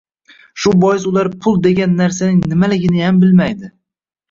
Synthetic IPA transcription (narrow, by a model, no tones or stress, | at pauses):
ʃʊbɒjɪsʊlaɾpʰʊlˠd̪e̞ɡʲanːaɾsanɪŋnɪmalɪɡʲɪnɪjambɪlmajd̪ɪ